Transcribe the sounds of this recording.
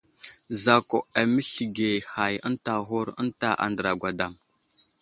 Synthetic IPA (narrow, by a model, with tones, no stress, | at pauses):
za˨ko˨a˨mə˦ɬi˨ɡe˨ha˨jə˦nta˨ɦu˦ɾə̰˦nta˦ʔa̰˨ndə˨ɾa˨ɡʷa˨da˨m